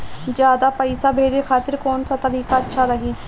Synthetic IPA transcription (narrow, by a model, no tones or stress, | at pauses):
d͡ʒjaːd̪aːpəisaːbʱeːɾeːkʰaːt̪ɪɾkoːnsaːt̪əɾiːkaːətːʃʰaːɾəɦiː